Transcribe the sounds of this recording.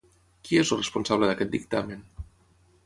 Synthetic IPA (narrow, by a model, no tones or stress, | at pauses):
kiezəlˠrespunsaβləðɐkɛt̪̚d̪ik̚t̪amen